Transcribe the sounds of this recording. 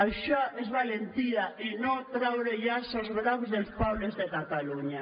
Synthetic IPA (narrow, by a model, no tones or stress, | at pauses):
aʃaɛzβalent̪iðɐʔɪnõt̪ɾawɾeʎasozɣɾaβzðelspawlezðekat̪aluɲa